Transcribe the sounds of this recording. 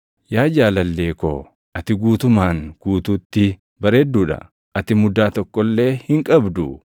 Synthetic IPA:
jaːd͡ʒaːlɐlːe̞ːko̰ː | ʔɐt̪ɪɡuːt̪ʊmaːŋɡ̥uːt̪uːt̪ːɪ | bɐɾeːd̪ːuːᶑɐ̰ | ʔɐt̪ɪmʊd̪aːt̪ɔkːɔlːe̞ːhɪŋkʼɐbd̪ʊ

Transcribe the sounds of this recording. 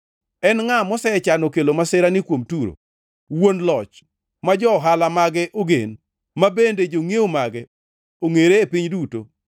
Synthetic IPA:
ɛnŋamɔsɛt͡ʃanɔkelomasɪɾanɪkwomtuɾo̰ | wonlɔt͡ʃ | mad͡ʒɔɦalamaɡɛʔoɡḛn | mabended͡ʒoŋeomaɡɛ | oŋeɾeːpiɲduto̰

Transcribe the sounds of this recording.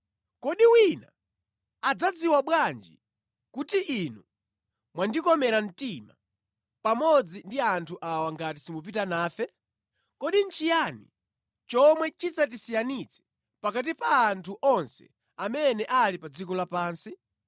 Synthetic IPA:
kɔɗiwina | ad͡zad͡ziwaɓwand͡ʒḭ | kutiʔinu | mwandikɔmɛɾan̩tima̰ | pamɔd͡zindiantʰuʔawaŋɡatisimup̬itanaːfɛ | kɔɗin̩t͡ʃijanḭ | t͡ʃɔmwɛt͡ʃit͡sat̬isijanit͡sʰɛ̥ | pakat̬ipaːntʰuʔɔnsɛ̰ | amɛnɛʔalipad͡zikɔlapaːnsi

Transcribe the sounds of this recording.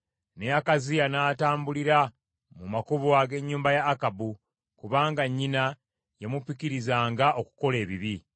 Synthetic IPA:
neakazijanaːtaːmbuliɾa | mumakuβoaɡe̞ɲːuːmbajaːkabu | kuβaːŋɡaɲːina | jemupikiɾizaːŋɡaʔo̞ku̥ko̞le̞ːβiβi

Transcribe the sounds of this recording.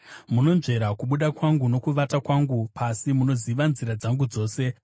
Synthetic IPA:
muno̞nʐe̞ɾakuɓuɗakwaŋɡuno̞kuʋatakwaŋɡupasimuno̞ziʋanziɾad͡zaŋɡud͡zo̞ːse̞

